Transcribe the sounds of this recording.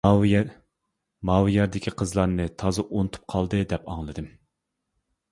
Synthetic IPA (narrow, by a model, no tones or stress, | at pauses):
mɑwjɛɾd̪ɪkʲʰiqʰəzlˠɑɾnɨt̪ʰɑzɨʔonɨt̪ʰu̥p̚qʰɑlˠd̪ɨd̪ɛpɑ̰ŋlˠɨd̪ɨm